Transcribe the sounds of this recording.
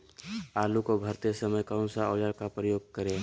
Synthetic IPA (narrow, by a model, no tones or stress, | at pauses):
aːlukobʱəɾt̪esəməjkaʊnsaɔːd͡ʒaɽkapɾəjoːɡ̚kəɾẽ